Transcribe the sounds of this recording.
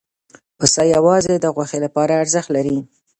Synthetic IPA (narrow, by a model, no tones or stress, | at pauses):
pəsɑjawɑzed̪əɣwaxelapɑɾaːɾzəxt̪laɾi